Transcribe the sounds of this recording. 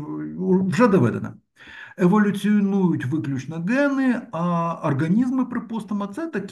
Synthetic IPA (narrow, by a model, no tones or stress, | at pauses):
vʐɛd̪ɐvɛ̰d̪ɐ̰nɐ̰ | ɛvɐlʲʊt̪sɨnujʊt̪ʲvɨklʲʊt͡ɕnəɡɛnɨaɐrɡɐnʲizmɨpɾɨpost̪ɐmɐt̪sɛt̪ɐkʲ